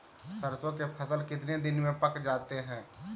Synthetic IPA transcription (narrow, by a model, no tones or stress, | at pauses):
səɾsõkepʰəsəlkɪt̪ned̪ɪnmẽpəkd͡ʒaːt̪eɦɛ̃ː